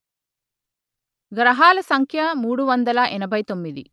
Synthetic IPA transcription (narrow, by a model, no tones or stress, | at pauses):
ɡɾɐɦaːlɐsɐŋkʰjɐmuːɽuʋɐnd̪ɐlɐʔɛnɐbʱɐjt̪o̞mːid̪ḭ